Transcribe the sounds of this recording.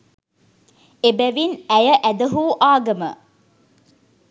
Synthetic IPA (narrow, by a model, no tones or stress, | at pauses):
ebæʋinæjəʔæd̪əɦuːʔaːɡɐmə̰